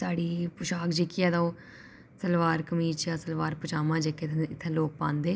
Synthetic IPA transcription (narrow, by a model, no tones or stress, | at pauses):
saːɽiːpʊʃaːkd͡ʒeːkːɪjaːd̪aõː | səlʋaːɾkəmiːt͡ʃjãːsəlʋaːɾpʊt͡ʃaːmãːd͡ʒeːkeːt̪ʰːɪt̪ʰːẽːloːk̚pãːnd̪eː